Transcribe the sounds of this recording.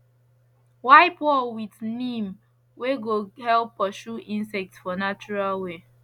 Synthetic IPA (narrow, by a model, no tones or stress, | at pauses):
waɪpwɔlwidnĩm | weɡohɛlpːɔʃuʔĩnsɛk̚tfɔnat͡ʃuɹalwe